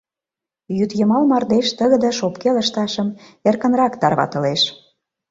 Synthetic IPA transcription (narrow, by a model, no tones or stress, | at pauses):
jyt̪jəmɑlmɑrd̪eʃt̪əɣə̆d̪ə̆ʃopkeləʃt̪ɑʃə̆merkə̆nrɑkt̪ɑrβɑ̰t̪ə̆leʃ